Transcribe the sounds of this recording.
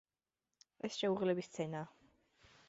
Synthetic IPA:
ɛsʃɛuʁlɛbist̪sʰɛnaː

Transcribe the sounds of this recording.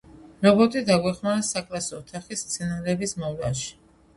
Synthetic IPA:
nɔbɔt̪ʼid̪aɡwɛχmaɾasakʼɾasɔːt̪ʰaχist̪sʰɛnaɾɛːbismɔvla̰ʃi̥

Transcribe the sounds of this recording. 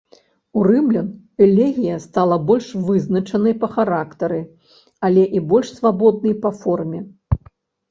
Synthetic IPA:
uɾɨmlʲɐn | ɛlʲɛɣʲijɐst̪alˠɐbɔlʲʂvɨznɐt͡ʂɐnɐjpɐxaɾakt̪ɐɾɨ | ɐlʲɛʔibɔlʲʂsvabɔd̪̚nɐjpɐfɔrmʲɛ

